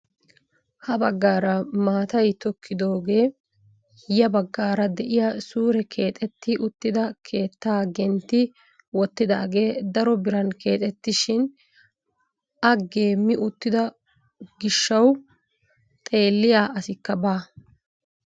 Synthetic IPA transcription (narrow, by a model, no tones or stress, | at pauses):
hɐbɐɡːaːɾɐmaːt̪ɐjt̪ɔkʰːɪd̪o̞ːɡe̞ː | jɐbɐɡːaːɾɐd̪ɛʔɪjasuːɾɛkʰe̞ːt̪ʼɛt̪ːɪʔʊt̪ːɪd̪ɐkʰe̞ːt̪ːaːɡɛnt̪ːɪ | wɔt̪ːɪd̪aːɡe̞ːd̪ɐɾɔbɪɾɐnke̞ːt̪ʼɛt̪ːɪʃɪn | ɐɡe̞ːmːɪʔʊt̪ːɪd̪ɐ | ɡɪʃːɐw | t̪ʼe̞ːlːɪjaːʔɐsɪkːɐbaː